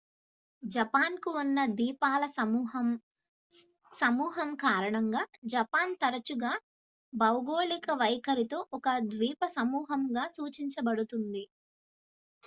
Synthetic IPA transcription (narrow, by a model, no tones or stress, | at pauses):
d͡ʒɐpaːnkuunːɐd̪iːpaːlɐ | sɐmuːɦɐmkaːɾɐɳɐŋɡaːd͡ʒɐpaːnt̪ɐɾɐt͡ʃuɡaː | bɐwɡoːlikɐʋɐjkɐɾit̪o̞ːʔɔkɐd̪ʋiːpɐsɐmuːɦɐmɡaːsuːt͡ʃiɲt͡ʃɐbɐɽut̪und̪i